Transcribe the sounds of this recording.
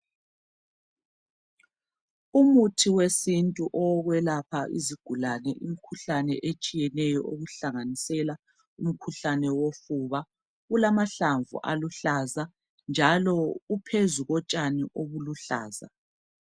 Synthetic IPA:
umutʰiwesintʼuʔɔɣwɛlapʰaʔḭziɡ̥ʱulanɛ̰ʔim̩kʰuɬanɛʔet͡ʃʼijɛnɛjɔʔoɣuɬaŋanisɛla | um̩kʰuɬanɛwofuβa | ɣulamaɬaɱvṵʔa̰luɬaza | nd͡ʒʱalɔupʰezuɣɔt͡ʃʼaniʔoɣuluɬa̰ːza̰

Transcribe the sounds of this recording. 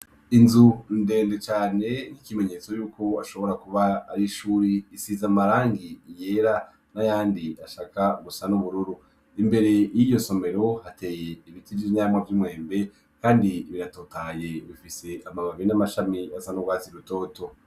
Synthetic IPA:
inzunde̞ːndet͡ʃaːne̞nikime̞ɲe̞t͡so̞juːkʰo̞aʃo̞βo̞ɾakuβa̰ːɾiʃuːɾiːsizamaɾaːŋɡije̞ɾa | najaːndiaʃaːkaɡusanuβuɾuɾu | imbe̞ɾe̞jijo̞so̞me̞ɾo̞hatʰe̞ːje̞iβitid͡ʒiɲaːmwavjumŋe̞ːmbe̞ | kaːndiːβiɾatoːtaje̞βifise̞ʔamamaβinamaʃamiasanuwaːziɾuto̞ːto̞

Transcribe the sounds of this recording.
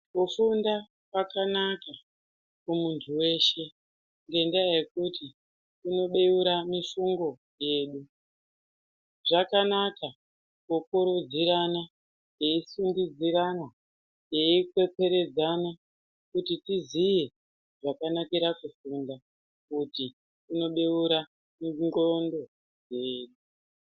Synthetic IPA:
kufunda | kwakanaka | kumuntʰuwe̞ːʃe̞ | ŋɡe̞ndajekuti | kuno̞ɓe̞juɾamifuŋɡo̞ | je̞ːɗu | ʐakanaka | kukuɾud͡ziɾana | je̞isundid͡ziɾana | je̞ikwe̞pe̞ɾe̞d͡zana | kutitizije̞ | ʐakanakiɾakufunda | kuti | uno̞ɓe̞uɾa | ŋɡo̞ndo̞ | je̞ːɗu

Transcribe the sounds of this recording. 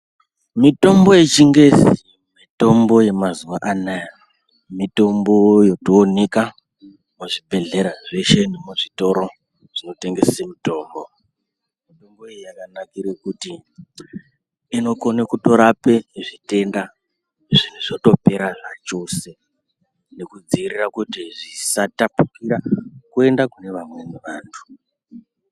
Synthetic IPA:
mito̞mbo̞je̞t͡ʃiŋɡe̞si | mito̞mbo̞je̞mazuwaʔanaja | mito̞mbo̞jo̞toːneka | muʐibʱe̞ɮe̞ɾaʐe̞ʃe̞nemuʐito̞ɾo̞ | ʐ̥ino̞te̞ŋɡe̞semito̞ːmbo | mito̞mboejijakanakiɾwekuti | ino̞konekuto̞ɾape̞ʐite̞nda | ʐin̤uʐoto̞pe̞ɾaʐat͡ʃo̞se̞ | ne̞kud͡ziirirakutiʐisatapukiɾakue̞ndakune̞ʋamwenuʋaːntʰu̥

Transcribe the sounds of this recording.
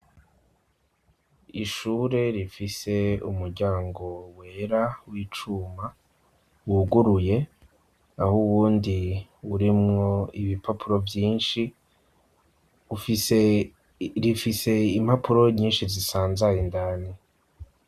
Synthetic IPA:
iʃuːɾe̞ɾifise̞ṵmuɾɟaːŋɡo̞we̞ːɾawiːt͡ʃuma | wuɡuɾuje̞ | ahuβuːndiuɾimŋo̞iβipʰapʰuɾo̞vjiːnʃi | ufi | ɾifise̞im̥hapuɾo̞ɲiːnʃizisaːnzajindaːni

